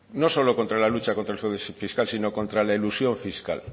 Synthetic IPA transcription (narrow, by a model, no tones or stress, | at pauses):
no̞so̞lo̞ko̞nt̪ɾalalut͡ʃako̞nt̪ɾelfeðesifiskalsino̞ko̞nt̪ɾalailusjo̞ɱfiska̰l